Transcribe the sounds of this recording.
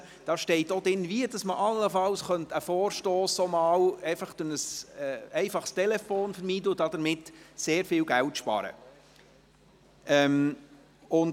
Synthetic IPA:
d̥ɑːʃtɛɪtːodɪnːviədɑsməʔɑlːəfɑlsχœntəfoːɾʃtoːsːomɑːlɛɪfɑχd̥ʊnəsɛɛɪfɑχst̪ɛlɛfoːnfəɾmiːdləd̥ɑd̥̪əɾmɪtseːɾfiːlɡæltʃpɑ̰ːɾə̰ | ɛm | ʊn

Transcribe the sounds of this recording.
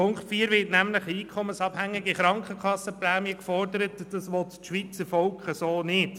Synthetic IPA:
ʊŋktfiːɾʋɪːtnæmləχəiːkʰχɔmənsɑb̥hæŋːɪɡiχɾɑŋkχəkχɑsːəplæːmjəkfɔrdəɾətd̥ɑsʋɔt̪ːʃʋiːt͡səɾfɔlkχəsoːnɪd̥

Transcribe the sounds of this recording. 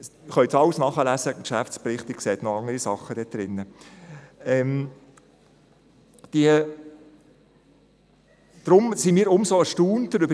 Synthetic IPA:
χœʏtsɑwsnɑχəlæsəkʃæft͡sprɪχt̪ɪk̚kseːt̪noɑŋdəɾisɑχːəd̥ɛd̪̥ɾɪnːə | ɛm | d̪̥iə | d̥ɾʊmsimiːɾʊmsoəʃtuːntəɾʏbə

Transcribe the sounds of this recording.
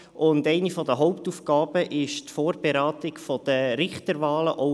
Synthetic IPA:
ʊndɛɪnifɔdəɦɔʊp̚tuːfɡ̥ɑːbəʔɪʃtfoːɾbeɾaːtɪkfɔd̥əɾɪχtəɾʋɑːləʔo

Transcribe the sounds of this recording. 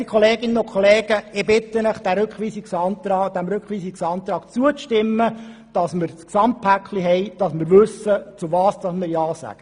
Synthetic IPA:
ikʰχɔleːɡɪnːənʊkʰχɔleːɡ̥əɪbɪt̪ːənəχd̪̥æɾøkχʋiːsiksɑntɑːd̥̪æmɾʉkχʋiːsiksɑːnt̪ɾɑːkt͡suət͡sʃtɪmːəd̥ɑsməɾsksɑmt̚pʰækχliɦɛjd̥ɑsməɾʋɵsət͡suvɑːsd̥ɑsməɾjɑːsæ̰ɡ̥ə

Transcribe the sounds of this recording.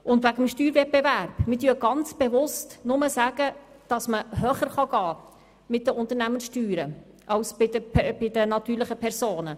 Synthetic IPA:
ʊndvæɡəmʃtyːɾvɛt̚b̥evæɾb̥mɪtyːɡ̥ɑnt͡sb̥evʊstnʊməsæːɡ̥ə | d̥ɑsməhœːχəɾχɑɡ̥ɑː | mɪt̚d̥əʊnt̪əɾnæmənsʃtyːɾə | ʔɑwsbɪdəbɪdənɑt̪yːɾlɪχəpʰɛɾsoːnə

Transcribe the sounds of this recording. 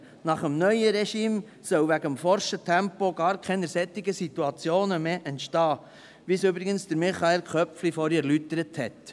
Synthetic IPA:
nɑχəmnœʏəɾɛʃiːm | sœwʋæɡəmfɔɾʃətʰɛmpoɡ̥ɑːɾkʰɛnəsɛtɪɡəsit̪uɑt͡sjoːnəmeːʔɛntʃtɑː | ʋisøbɾɪɡənsd̥əɾmɪχɑelkʰœpflifɔɾɛɾlytəɾəthɛt

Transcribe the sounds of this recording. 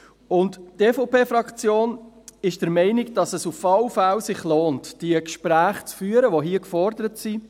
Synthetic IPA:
ʊnttefopeːfɾɑkt͡sjoːn | ɪʃd̥əɾmɛɪnɪɡd̥ɑsɛsufɑwfælsɪχloːntd̥iəkʃpɾæːχt͡sfyːəɾəʋoɦiːəkfɔɾdəɾətsi

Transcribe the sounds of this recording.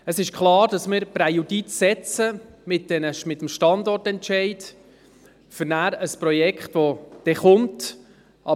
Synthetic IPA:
əsɪʃkχlɑːɾd̥ɑsmɪɾpɾɛjuditsɛt͡səmɪt̚d̥ɛnəʃmɪtːəmʃtɑndɔrtɛntʃɛɪd | fəɾnæːɾəspɾɔjɛkχtʋɔd̪̥ɛχʊnt | ʔɑ

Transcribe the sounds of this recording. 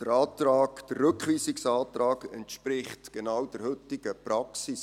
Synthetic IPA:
d̥əɾɑːt̪rɑːkd̥ərːɵkχʋiːsɪksɑːt̪ɾɑːɡɛntʃpɾɪχtɡ̥enɑwd̥əɾhɵʏtɪɡ̥əprɑksɪs

